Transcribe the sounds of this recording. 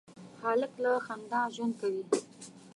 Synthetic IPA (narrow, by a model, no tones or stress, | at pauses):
xaləklaxand̪ɑʒwand̪̚kawi